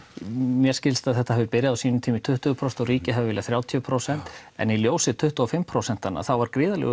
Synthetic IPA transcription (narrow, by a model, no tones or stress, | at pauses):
mjɛɾ̥scɪlst̪aðθɛht̪aɦɛvɪɾpɪɾjaðawsiːnʏmt̪ʰiːmɪt̪ʰʏht̪ʏpʰɾosɛ̥nɔɾiːcɪɦavɪvɪlaθɾjaːwt̪ʰiʏpʰɾowsɛn̥t̪ɛ̰niljoːwsɪt̪ʰʏht̪ʏɔfɪmpʰɾowsɛn̥t̪ana̰θawvaɾkɾɪːðalɛ̰ːɣʏ